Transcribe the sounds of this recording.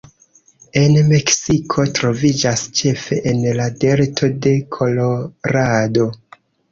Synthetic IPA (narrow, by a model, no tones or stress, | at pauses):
e̞nme̞ksikʰo̞tɾo̞vid͡ʒast͡ʃe̞fe̞ʔenlade̞ɾtʰo̞de̞kʰo̞lo̞ɾado̞